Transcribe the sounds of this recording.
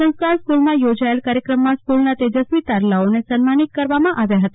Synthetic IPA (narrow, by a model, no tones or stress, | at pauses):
sə̃w̃skaɾskulmãjod͡ʒaelkaɾjəkɾəmːãskulnat̪ed͡ʒəsmit̪aɾlaonesənmanit̪̚kəɾʋamãʔaʋjaɦət̪a